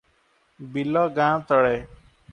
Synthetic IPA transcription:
bilɔːɡãːt̪əɽeː

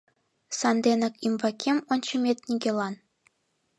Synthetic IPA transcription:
sɑnd̪enɤ̆kʲimbɑkʲʰemonʲt͡ɕɤ̆mʲet̪̚nʲiɡʲelˠɑn

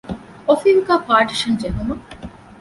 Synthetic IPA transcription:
ofiŋkaːpaːɾʈiʃɐnd͡ʒeɦumɐ

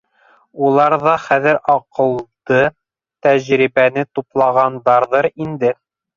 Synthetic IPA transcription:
ulˠɑɾðɑχæðɘɾɑqɤ̆lˠd̪ɤ | t̪æʑɾibænɘt̪uplˠɑʁɑnd̪ɑɾðɤɾind̪ɘ

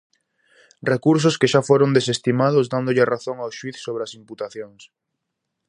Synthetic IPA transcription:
rekuɾs̬ʊskeʃafoɾond̪es̬est̪imaðʊzd̪and̪ʊʎɪraθoŋawʃwiθsoβ̞ɾeɐsimput̪aθjoŋs

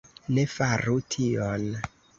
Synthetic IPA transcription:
ne̞faɾutʰion

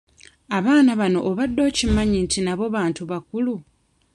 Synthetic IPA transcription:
aβaːnaβano̞ʔːβadːo̞ːcimaɲintinaβo̞βaːntuβakulu

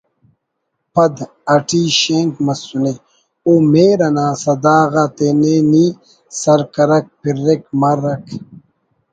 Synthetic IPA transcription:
pɐd̪ | ɐʈiːɕeːnkmɐsune | oːmeːɾɐnãːsɐd̪aːɣat̪eneːniː | sɐɾkɐɾɐk̚piɾːekmɐɾɐk

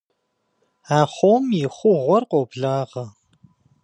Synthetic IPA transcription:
aːχʷowmjɪχʷʊʁʷɔrqʷʼowbɮaːʁɐ

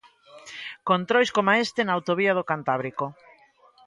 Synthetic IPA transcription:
kont̪ɾojskomaest̪enaːwt̪oβiað̞okant̪aβɾiko

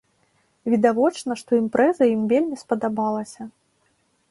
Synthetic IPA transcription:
vʲid̪avɔt͡ʂnɐʂt̪ɔimpɾɛzɐjimvʲelʲmʲispɐd̪abalˠɐsʲɐ

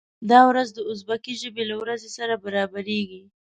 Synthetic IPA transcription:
d̪ɑwɾazd̪əʊs̬bakiʒəbelawɾazesaɾabaɾɑbaɾeɡi

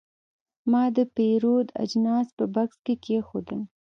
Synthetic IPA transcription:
mɑd̪əpeɾod̪a̰d͡ʒnɑspəbakskekexod̪əl

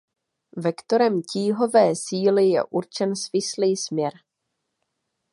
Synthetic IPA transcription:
vɛkt̪oɾɛmciːɦo̞vɛːsiːlɪjɛ̰ʔuɾt͡ʃɛnsvɪsliːsmɲɛɾ

